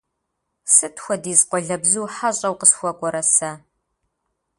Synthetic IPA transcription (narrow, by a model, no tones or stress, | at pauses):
sɨtʰxʷɔdiːzqʷɔɮɐbzuːħaɕʼɐwqəsxʷɔkʷʼɔɾɐsɐ